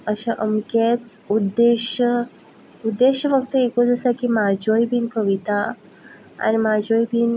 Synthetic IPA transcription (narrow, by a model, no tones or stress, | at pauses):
əɕaʔəmket͡s | ud̪ːeɕə | ud̪ːeɕəʋəkt̪əekod͡zəsakimad͡ʑojbʱiːnkəʋit̪a | a̰nimad͡ʑojbʱiːn